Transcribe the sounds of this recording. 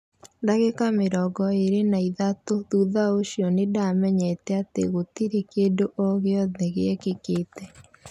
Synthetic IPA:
ndaɣekameɾɔɡɔeɾenaiðatoðuðaoɕjɔnedamɛɲɛtɛatḛɣotiɾekeːdoʔɔɣeɔðɛɣḛɛkekeːtɛ

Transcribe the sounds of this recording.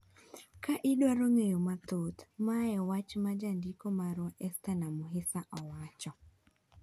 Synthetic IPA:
kaʔɪɗwaɾoŋejomat̪ot̪maɛwat͡ʃmad͡ʒandikomaɾɔʔɛst̪anamʊɦɪsaʔɔwat͡ʃɔ

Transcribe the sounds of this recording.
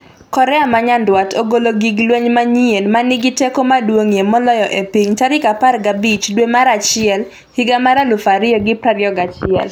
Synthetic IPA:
kɔɾɛamaɲandwatoɡoloɡiɡlweɲmaɲienmanɪɡɪtekomadwoŋjemɔlɔjɔʔepiɲt͡ʃaɾɪkaparɡabit͡ʃdwemaɾat͡ʃɪɛl | hɪɡamaɾalʊfaɾɪjɔɡɪpɾaɾjɔɡat͡ʃɪɛ̰l

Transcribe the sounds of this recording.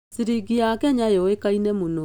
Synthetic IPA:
siɾiɡiakɛɲajɔekainɛmuno

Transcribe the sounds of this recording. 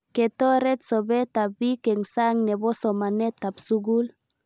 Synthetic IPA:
ket̪oɾet̪soβet̪abikeŋsaŋneβosɔmanet̪ːapsuɡul

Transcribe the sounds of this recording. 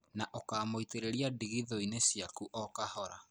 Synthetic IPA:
naʔokaːmoiteɾeɾiadiɣiðɔinesjakuʔɔkahɔɾa̰

